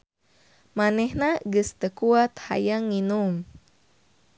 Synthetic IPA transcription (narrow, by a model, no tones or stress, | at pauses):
manɛhnaɡɨst̪əkuat̪̚ha̰jaŋːinum